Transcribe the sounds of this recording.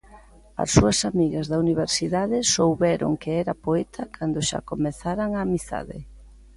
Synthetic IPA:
ɐ̰sːuɐsamiɣɐzðauniβ̞eɾsiðaðɪsowβɛɾo̰ŋkeɛɾapoɛt̪ʰɐkʰand̪oʃa̰komeθaɾaŋamiθa̰ðɪ̰

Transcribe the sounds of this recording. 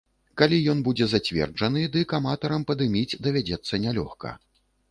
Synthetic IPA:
kalʲijɔnbud͡zʲɛzat͡sʲvʲɛ̰rd͡ʐɐn̪ɨd̪ɨkamat̪ɐɾɐmpɐd̪ɨmʲit͡sʲd̪ɐvʲad͡zʲɛt̪sːɐnʲalʲɔxkɐ̰

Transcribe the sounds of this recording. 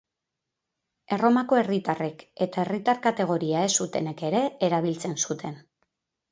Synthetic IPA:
e̞ro̞mako̞e̞rit̪are̞ke̞t̪ae̞rit̪aɾkat̪e̞ɣ̞o̞ɾiae̞sut̪e̞ne̞ke̞ɾe̞ːɾaβ̞ilt͡se̞nsut̪ʰe̞n

